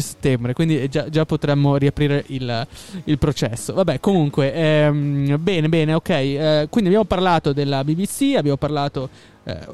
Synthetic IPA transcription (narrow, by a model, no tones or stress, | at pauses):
se̥t̪ːɛmbɾekwind̪id͡ʒad͡ʒapːot̪ɾɛmːoɾiapɾiːɾeʔililpɾot͡ʃɛsːovabːɛkomuŋkweʔɛmbɛːnebɛːneokɛjkwind̪iabjamoparlaːt̪od̪elːabibisiabːjaːmoparlaːt̪o | ɛ̰